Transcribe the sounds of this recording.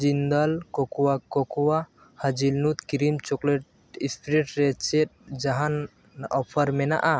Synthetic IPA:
d͡ʒind̪alkɔkuwakɔkua | had͡ʒilnut̪kiɾimt͡ʃɔkleʈ | ispʰiɾeʈɾɛt͡ʃet̪̚d͡ʒaɦan | ɔpʰaɾmɛna̰ʔa

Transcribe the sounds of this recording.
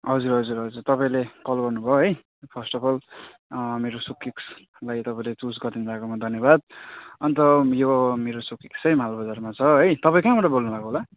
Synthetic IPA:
ɦʌd͡zuɾɦʌd͡zuɾɦʌd͡zurt̪ʌpaĩlekʌlɡʌrnubʱʌoɦʌj | pʰʌsʈʌbʌl | meɾosukːiks | lajt̪ʌpaĩlet͡susɡʌrd̪inbʱakomʌd̪ʱʌnjʌbad̪̚ʌnit̪ʌjomeɾosukiksʌjmalobʌd͡zarmat͡sʰʌɦʌjt̪ʌpaĩkãbʌʈʌbolnubʱakoɦola

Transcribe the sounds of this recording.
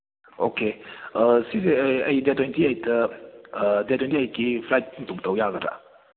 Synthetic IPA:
o̰ke | sizeɐjdetɔjntiɐjtɐː | detɔjntiɐjkipʰlajt̚ntuk̚tɐwjaɡɐda̰

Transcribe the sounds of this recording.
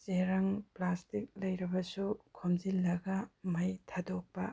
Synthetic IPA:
t͡ʃeɾɐŋplastik̚lɐjɾɐbɐsukʰomzilːɐɡɐmɐjtʰadok̚pɐ

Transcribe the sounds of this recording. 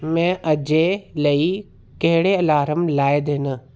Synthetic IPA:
mɛ̃ːʔɐd͡ʑelɐi | kɐɦɪɽeɐlaːɾəmlaːɪd̪ɪnə̆

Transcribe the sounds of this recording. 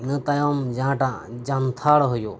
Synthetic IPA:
nɨt̪ɐjomd͡ʒãʈãd͡ʒant̪ʰaːɽɦojo̰ː

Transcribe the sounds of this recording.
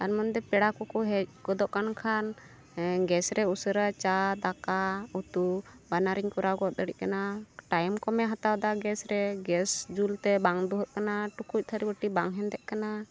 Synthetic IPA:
aɾmɔnd̪ɛpɛɽakɔkɔɦɛc̚kɔd̪ɔʔkankʰan | ɡɛsɾɛusəɾat͡ʃad̪akaut̪ubanaɾiɲkɔɾaɡɔt̪̚əɽḭʔ̚kanaʈajmkɔmɛɦat̪awd̪aɡɛsɾɛɡɛsd͡ʒult̪ɛbaŋd̪uɦəʔ̪̚kanaʈukʰuc̚ˀt̪ʰəɾibəʈibaŋɦɛnd̪ɛʔkana

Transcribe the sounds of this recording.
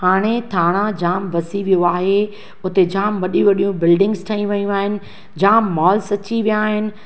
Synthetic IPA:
haːɽ̃et̪ʰaːɽ̃ad͡ʑaːmʋɐsiʋijoaːɦe | ʊt̪ed͡ʑaːmʋɐɗĩʋɐɗijũbɪlɖɪ̃ŋɡzʈʰɐĩʋɐjũaːɦɪnɪ̆ | d͡ʑaːmːɔːlsɐt͡ɕiʋijaːɦɪnɪ̆

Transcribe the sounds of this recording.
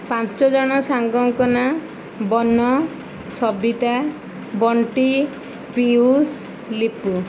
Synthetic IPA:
pãt͡ʃɔd͡ʒɔɽ̃ɔsaŋɡɔŋkɔna | bɔnɔ | sɔbit̪a | bɔɳʈi | pius | lipu

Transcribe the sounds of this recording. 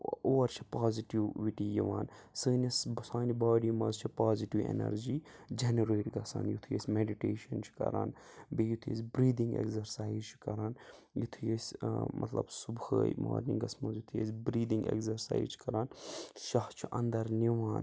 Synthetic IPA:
oːɐɾt͡ʃʰi̥paːziʈiʋʋiʈiːjiʋaːnsɨːnɐsbɐsaːnibaːɖimɐzt͡ʃʰipaːziʈiʋḛnɐ̰ɾd͡ʒiːd͡ʒenɐɾeːʈɡɐsa̰ːnjut̪ʰujḛsʲmeɖiʈeːʃɐnt͡ʃʰi̥kɐ̰ɾa̰ːnbejut̪ʰjḛsʲbɾiːd̪ĩŋɡḛkzɐɾsaːizt͡ʃʰi̥kɐɾaːnjut̪ʰujesʲmɐ̰t̪lɐ̰bsubhə̰ːjma̰ːɾniŋɡɐsmɐnzjut̪ʰjḛsʲbɾiːd̪ĩŋɡḛkzɐɾsa̰ːizt͡ʃʰi̥kɐɾaːnʃɐht͡ʃʰuʔɐnd̪ɐɾniʋaːn

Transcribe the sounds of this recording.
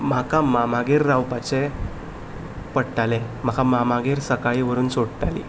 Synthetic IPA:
m̤akamamaɡeɾːawpat͡ɕe | pəɽʈale | m̤akamamaɡeɾsəkaɭiʋəɾuːnsoɽʈalḭ

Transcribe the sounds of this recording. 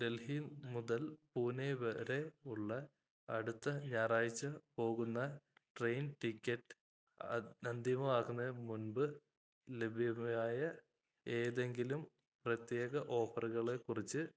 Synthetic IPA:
ɖe̞lhinmuðɐlpuːneʋɐɾe̞uɭːɐ | ɐɽut̪ːɐɲaːraːjit͡ɕːɐpo̞ːɣunːɐʈrejnʈikʲːɐʈːɨ̥ | ɐnd̪jɐmɐaːɣunːɐmunbɨ | le̞bʱijɐmɐjaːjɐ | eːðe̞ŋɡilum | prɐt̪jeːɣɐʔo̞ːfɐrɣɐɭe̞kːurit͡ɕːɨ

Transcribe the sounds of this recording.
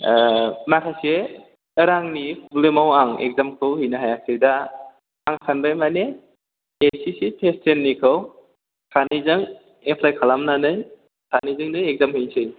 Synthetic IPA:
makʰajseː | ɾaŋnipʰublemawaŋḛk̚zamkʰɯwhɯjnɯɦajak̚seda | aŋsʰanbajmaneː | sisipʰestʰenːikʰɯw | sʰanɯzɯŋ | epʰlajkʰalamnanɯj | sʰanizɯŋnɯjek̚zamhɯjnsʰɯj

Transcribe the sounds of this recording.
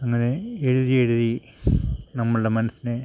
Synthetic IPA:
ɐŋːɐne̞eɻuðije̞ɻuði | nɐmːɐɭɨɽe̞mɐnɐsine

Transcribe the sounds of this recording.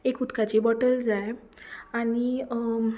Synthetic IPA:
ekut̪kat͡ɕibɔʈəld͡zaj | aɽ̃i

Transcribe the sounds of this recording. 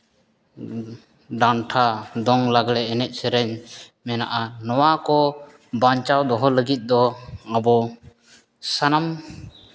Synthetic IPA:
ɖanʈʰad̪ɔŋlaɡlɛːnɛt̪̚səɾɛɲmɛnaʔanɔwakɔ | baɲt͡ʃawd̪ɔɦɔləɡit̪̚ˀd̪ɔabɔ | sanam

